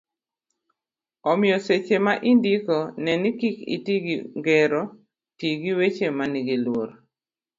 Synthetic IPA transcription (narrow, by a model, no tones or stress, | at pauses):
ɔmɪjɔset͡ʃemaʔindikonɛnikikḭtiɡiŋɡeɾɔ | tiɡiwet͡ʃemaniɡilwoɾ